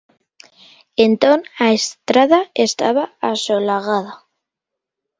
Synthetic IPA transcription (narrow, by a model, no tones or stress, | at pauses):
ent̪onaest̪ɾaðaest̪a̰βaasolaɣaða